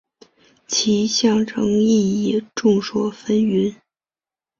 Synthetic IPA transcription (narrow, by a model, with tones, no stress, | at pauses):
t͡ɕʰi˧˥ɕjɑ˥˩ŋʈ͡ʂʰɤ˧˥ŋi˥˩jɛ˨˩ʈ͡ʂʊ˥˩ŋʂwɔ˥fə˥ny˧˥n